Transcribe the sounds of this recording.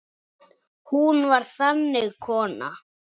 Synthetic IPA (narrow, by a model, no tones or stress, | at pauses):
hunvaɾ̥θanːɪɣkʰɔːna̰